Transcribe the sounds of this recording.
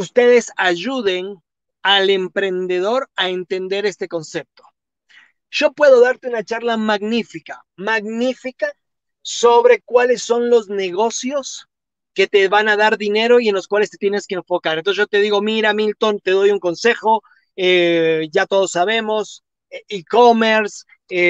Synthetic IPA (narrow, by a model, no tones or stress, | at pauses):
ust̪e̞ðe̞saʝuðe̞n | ale̞mpɾe̞nd̪e̞ðo̞ɾae̞nt̪e̞nd̪e̞ɾe̞st̪e̞ko̞nse̞p̚t̪o̥ | ʒ̥o̞pwe̞ðo̞ðaɾt̪eunat͡ʃaɾlamaɣnifika | maɣnifika | so̞βɾe̞kwale̞sːo̞nlo̞zne̞ɣo̞sjo̞s | ke̞t̪e̞βanaðaɾðine̞ɾo̞ie̞nlo̞skwalest̪et̪jeneskeːɱfo̞kaɾent̪osʝ̥ot̪e̞ðiɣo̞miɾamilt̪o̞nt̪e̞ðo̞juŋko̞nse̞xo̞ | eʝat̪o̞ð̞osːaβe̞mo̞s | ikomeɾs | e